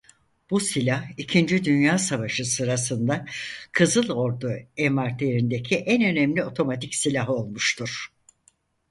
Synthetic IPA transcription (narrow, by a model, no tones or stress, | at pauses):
b̥usilʲahicʰind͡ʒid̪ynjaːsavaʃɯsɯɾasɯnd̪akʰɯzɯlˠo̞ɾd̪uɛmaɾt̪lʲeɾind̪ecʰiʔɛnø̞nɛmlʲio̞t̪ʰo̞mat̪ʰicsilʲaɦo̞lˠmuʃt̪ʰuɾ̥